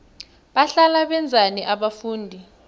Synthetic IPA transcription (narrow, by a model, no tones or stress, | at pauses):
ɓaɬalaɓɛnd͡zʱaniʔaɓafuːndʱi